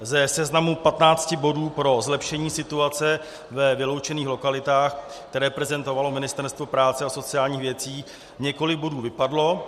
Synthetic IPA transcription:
zɛsɛznamupat̪naːt͡scɪbo̞duːpɾo̞zlɛpʃɛɲiːsɪt̪uat͡sɛ | vɛvɪlowt͡ʃɛniːxlo̞kalɪt̪aːx | kt̪ɛɾɛːpɾɛzɛnt̪o̞valo̞mɪnɪst̪ɛɾst̪vo̞pɾaːt͡sɛaso̞t͡sɪaːlɲiːxvjɛt͡siː | ɲɛko̞lɪkɡ̚bo̞duːvɪpadlo̞

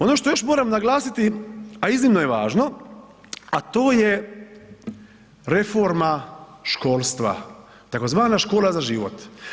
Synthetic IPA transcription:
o̞noʃt̪ojoʃmoːɾamnaɡlˠaːsit̪iaiznimnojeʋaːʒno | at̪oːje | ɾe̞foɾmaʃko̞ːlˠst̪ʋa̰ | t̪ako̞zʋaːnaʃkoːlazaʒiːʋot̪

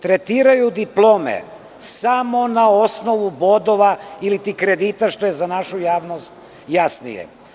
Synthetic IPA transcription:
t̪ɾet̪iːɾajud̪iplˠoːmḛ | samo̞naosno̞ʋubod̪o̞ʋailit̪ikɾed̪it̪aʃt̪o̞jezanaʃujaːʋno̞st̪̚ | jasnḭjḛ

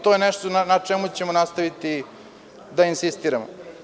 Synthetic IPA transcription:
t̪o̞jenɛʃt̪oanat͡ʂemut͡ɕe̞monast̪aʋit̪i | d̪ainsist̪iːɾamo̰

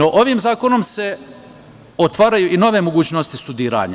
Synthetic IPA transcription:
noʔo̞ʋiːmzaːko̞no̞mse̞ | o̞t̪ʋaːɾajuːʔino̞ʋe̞mo̞ɡuːt͡ɕnost̪ist̪ud̪iːɾa̰ːɲa̰

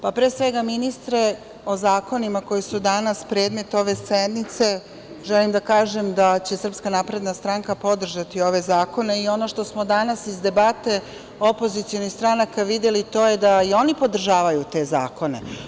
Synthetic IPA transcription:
papɾeːsʋe̞ɡaminist̪ɾe̞ | o̞zaːko̞nimako̞jisud̪anaspɾe̞ːd̪me̞t̪o̞ʋe̞sed̪nit̪se̞ | ʒelimd̪akaːʒe̞md̪at͡ɕe̞sr̩pskanaːpɾe̞d̪nast̪ɾaŋkapo̞d̪r̩ʒat̪io̞ʋe̞zaːko̞ne̞io̞no̞ʃt̪o̞smod̪anasizd̪e̞bat̪e̞ | o̞po̞zit̪sijo̞nixst̪ɾanakaʋid̪jelit̪o̞ːjed̪aio̞nipo̞d̪r̩ʒaːʋajut̪e̞za̰ːko̞ne̞̰

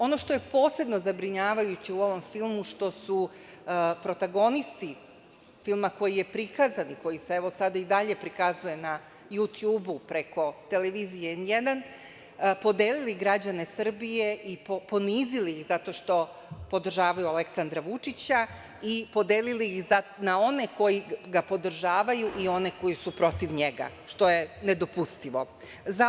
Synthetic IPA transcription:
o̞no̞ʃt̪o̞je̞po̞ːse̞b̪no̞zabɾiɲaːʋajut͡ɕiuo̞ʋo̞mfilˠmuʃt̪o̞su | pɾo̞t̪aɡo̞nist̪i | filˠmako̞jije̞pɾikazaniko̞jiseeʋo̞sad̪aid̪aʎe̞pɾikazuje̞na | jut̪juːbupɾe̞ko̞t̪e̞leʋiːzijeenjed̪an | po̞d̪eːliliɡɾad͡ʑane̞sr̩bije̞ipopo̞niːziliixzat̪o̞ʃt̪o̞ | po̞d̪r̩ʒaːʋajuale̞ksand̪ɾaʋut͡ʂit͡ɕa | ipo̞d̪eːliliixanao̞ne̞ko̞jiɡapo̞d̪r̩ʒaːʋajuʔio̞ne̞ko̞jisupɾo̞t̪iʋɲeɡa̰ | ʃt̪o̞je̞ned̪opust̪iʋo̞ | za

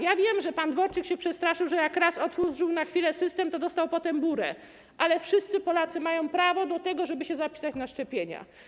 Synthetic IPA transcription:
javʲjɛmʐɛpand̪vɔɾt͡ʂɘkɕɛpʂɛst̪ɾaʂɘwʐɛjakɾasɔt̪uʐɘwnaxfʲilɛsɘst̪ɛmt̪ɔd̪ɔst̪awpɔt̪ɛmbuɾɛ | ʔalɛfʂɘst̪sɘpɔlat̪sɘmajɔ̃w̃pɾavɔd̪ɔt̪ɛɡɔʐɛbɘɕɛzapʲi̥sat͡ɕnaʂt͡ʂɛpʲjeɲa̰

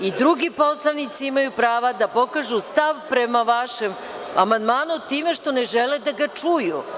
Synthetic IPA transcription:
id̪ɾuɡipo̞slˠanit̪siimajupɾaːʋad̪apo̞kaːʒust̪aʋpɾemaʋaʃem | amand̪maːnut̪ːiːme̞ʃt̪o̞neʒeled̪aɡat͡ʂuju

